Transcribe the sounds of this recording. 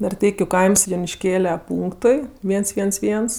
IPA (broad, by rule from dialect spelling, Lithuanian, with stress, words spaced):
nɐrʲˈtʲɛɪkʲʊ kɐɪms jʊnʲɪʃʲˈkʲeːlʲɛ ˈpuːŋktʊɪ ˈʋʲiɛns ˈʋʲiɛns ˈʋʲiɛns